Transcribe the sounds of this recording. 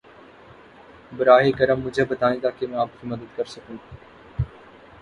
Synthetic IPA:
bəɾaːɦeːkəɾəmːʊd͡ʒʱebət̪aːĩːt̪aːkemɛ̃ːaːpkʰiːməd̪əd̪kəɾsəkũː

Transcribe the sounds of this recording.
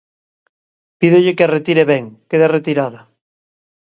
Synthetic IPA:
piðʊʎɪkearet̪iɾeβɛŋkeðɪaret̪iɾaðɐ

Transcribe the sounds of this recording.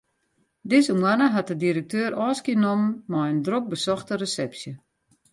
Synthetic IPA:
dɪzəmwanəɦat̚dədiɾək̚tøːɾɔːskənomːɔjəndrok̚bəsɔxtərəsɛpsjə

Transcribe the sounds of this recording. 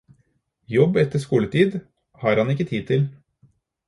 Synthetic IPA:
jɔbːɛt̪ːəʂkuːlət̪ʰiːd̪ | hɑːɾhɑnɪkːət̪ʰiːd̪̚t̪ʰɪl

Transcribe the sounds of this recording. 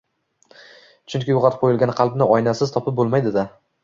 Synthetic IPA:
t͡ʃʰʊŋkʲɪjoʁɑt̪ɪ̥p̚qʰojɪlɡʲanqʰɑlˠbnɪɒjnasɪz̥t̪ʰɒpʰɪp̚bolˠmajd̪ɪd̪a

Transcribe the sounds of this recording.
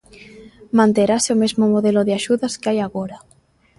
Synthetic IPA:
mãnt̪eɾaseomezmomoðeloðeaʃuðaskeajaɣoɾa

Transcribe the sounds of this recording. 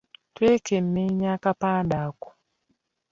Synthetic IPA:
twekem̩meɲakapaːndakɔ̥

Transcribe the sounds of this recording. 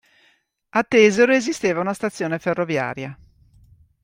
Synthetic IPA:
at̪ːɛːzeɾoezist̪eːvaunast̪at̪sːjoːneferːovja̰ːɾja

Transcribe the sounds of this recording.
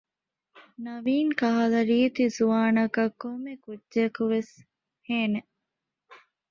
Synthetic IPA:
nɐʋiːŋkɐɦɐlɐɾiːt̪izuʋaːnɐkɐkːomːekudd͡ʒekuʋes | heːne

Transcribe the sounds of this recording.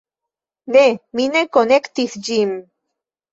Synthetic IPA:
neminekonekt̪iθd͡ʑim

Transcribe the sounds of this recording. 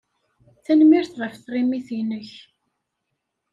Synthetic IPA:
θænmiɾθɾˤəfθrˤimiθinəç

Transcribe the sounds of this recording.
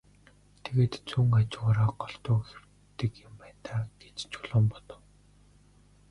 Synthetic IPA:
t̪ʰeɣeːt̪t͡sʰuːŋat͡ɕɪ̆ʁaːɾaːɢɔɬt̪ʊːxer̥ | t̪ɘ̆kjʊmpæːnt̪aːɡ̥et͡ɕt͡ɕʰɵ̥ɮʊːmpɔt̪ɞ̆w

